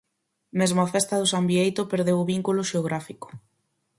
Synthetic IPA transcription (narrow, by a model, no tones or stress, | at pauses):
mezmoafest̪aðʊsambiejt̪opeɾðewʊβiŋkuloʃeoɣ̞ɾafiko̥